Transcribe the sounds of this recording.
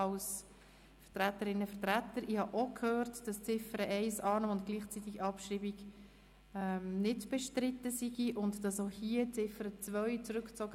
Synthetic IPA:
ɑls | fəʁt̪ɾætəɾɪnːəfəʁtɾæt̪əɾɪhɑʔokʰhøːɾtd̥ɑst͡sɪfəɾəʔɛɪsɑːnomʊntɡ̥liːχt͡sit̪ːiɡɑpʃɾiːbiɡ | ɛmnɪdb̥ɛʃtɾɪtːəsiɡiʔʊndd̥ɑsohiət͡sɪfəɾət͡svœʏt͡sɾʏkt͡sɔɡ

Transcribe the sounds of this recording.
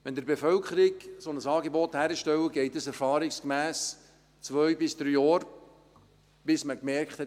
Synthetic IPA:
ʋɛnd̪əɾbefœlkχəɾɪɡsonəsɑːɡebɔt̪hæːɾəʃtɛwəɡɛɪt̚dəsɛɾfɑːɾɪkskmæːs | t͡svœʏbɪsd̥ɾyːjɔːɾ | b̥ɪsməkmɛrkχt̪hɛt

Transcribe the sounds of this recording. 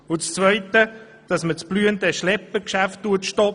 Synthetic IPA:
ʊt͡st͡svœɪtə | d̥ɑsmət͡sb̥lyːəntəʃlɛpːəkʃæftːuətʃtɔ

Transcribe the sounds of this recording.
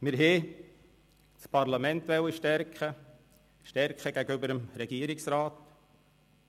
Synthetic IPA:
mɪɾɦɛ | spʰɑɾlamɛntʋɛwəʃtɛɾkχə | ʃtɛɾkχəɡ̥æɡəʏbəɾəmɾɛɡiəɾɪksɾaːt

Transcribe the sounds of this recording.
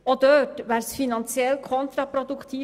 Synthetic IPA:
oːd̪øːʈʋæɾsfɪnɑnsɪɛlkʰɔnt̪ɾɑpʰɾʊd̪ʉkt̪ʰiː

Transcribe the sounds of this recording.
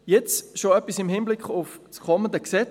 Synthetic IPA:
jɛt͡sʃoœpːisɪmhɪnblɪkχʊfskʰɔməndəksɛ

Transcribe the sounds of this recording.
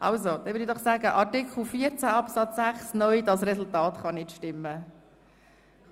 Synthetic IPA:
ʔɑ̰lzod̥ɛnʋʏːdidɔχsæːɡəʔɑɾtɪkχl̩fiːəɾt͡sæɑpsɑt͡sːæχsnœʏdɑsrɛsultɑːtχɑnɪtʃtɪmːə

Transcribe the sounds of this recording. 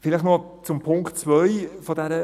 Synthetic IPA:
fɪlɪxno | t͡sʊmpʰʊŋktt͡svœʏfɔdɛɾə

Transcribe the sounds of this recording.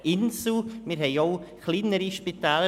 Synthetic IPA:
ɪnsl̩mɪɾɦɛɪoʊxliːnəɾiʃpit̪aːlə

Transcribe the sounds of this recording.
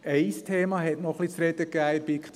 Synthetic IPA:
ɛɪst̪ʰeːmɑhɛtnɔχlit͡sɾɛd̥̪əɡæːɪbikt̪

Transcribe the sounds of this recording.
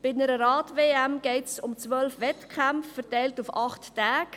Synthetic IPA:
b̥ɪnəɾəɾɑːtveːæmɡ̥eɪtsʊmt͡sʋœlfʋɛtkʰamffəʁtɛɪltufɑχtːæːk

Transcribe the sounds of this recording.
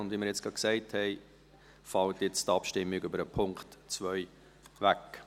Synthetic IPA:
ʊndviməɾjɛt͡sɡ̥ɑksɛɪthɛɪ | fɑltjɪt͡stɑpʃtɪmːɪɡʏbəɾəpʰʊŋkχtt͡svœʏ | væk

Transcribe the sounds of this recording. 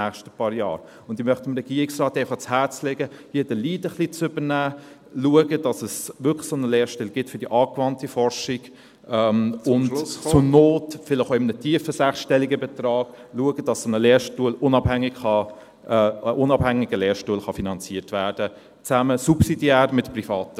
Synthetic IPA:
æːχʃtə̥pɑːɾjɑ̰ːɾ | ʊnd̥imœχtɪmɾɛɡ̥iəɾɪksrɑːtɛɪfɑχt͡shɛt͡slɛɡəhiːd̥əliːdəχlit͡sʏbənæː | luəɡədɑsəsʋʏklə̥sonəleːɾʃtɛlɡ̥ɪtfʏɾdiʔɑːkvɑntifɔɾʃɪɡ̥ | ɛmʊnt͡sʊnoːtfɪlɪχoɪmənətʰiəfəsæχʃtɛliɡəbɛtrɑːɡ̥luəɡədɑssonəleːɾʃtuəlʊnɑbhæŋːɪɡχɑ | əʔʊnɑbhæŋiɡəleːʃtuəlχɑfinɑnt͡siətvæːɾd̥ə | t͡sæməsupsidjæːɾmɪtprifɑːtə

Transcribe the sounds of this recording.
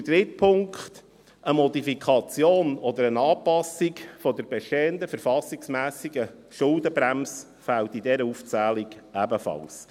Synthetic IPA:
t̪ɾɪt̪̚pʰʊŋkχt̪ | əmɔd̪ifikʰɑt͡sjoːnɔd̪əɾənɑːpɑsikfɔd̪əɾbɛʃteːənd̪əfəɾfɑsiksmæːsiɡə | ʃʊld̪əbɾæms | fælt̪idɛɾəuft͡sæːliɡ̥æbəfɑ̰ls

